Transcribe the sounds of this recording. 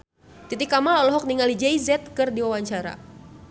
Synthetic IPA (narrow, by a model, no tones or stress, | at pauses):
t̪it̪ikamalɔlɔɦɔk̚niŋalid͡ʒaizɛt̪̚kɨrdiwawaɲt͡ʃaɾa̰